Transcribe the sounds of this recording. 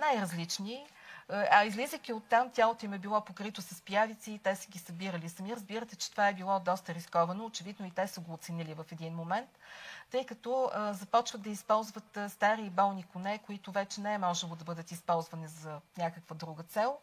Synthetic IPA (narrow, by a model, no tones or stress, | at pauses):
najɾɐzlit͡ʃni | ɐizlizəkʲiot̪ːamt̪ʲjalˠot̪oimɛbilˠɔpokɾit̪ʊsɐspjavit̪siːt̪ɛsəɡʲisɐbiɾəlisɐmiɾəzbiɾət̪ɛt͡ʃɛ̥t̪ovaɛbilˠɔd̪ɔst̪əɾiskɔvɐnoːt͡ʃɛvid̪noit̪ɛsəɡoːt̪sɛnilivɐfɛd̪inmomɛnt̪ːɤjkɐt̪ɔəzɐpɔt͡ʃvət̪d̪ɐispɔlˠzvət̪st̪aɾiːbɔlˠnikʊnɛkoit̪ʊvɛt͡ʃɛnɛɛmɔʒɛlˠod̪ɐbɤd̪ət̪ispɔlˠzvɐnizɐnʲakəkvəd̪ɾuɡət̪sɛlˠ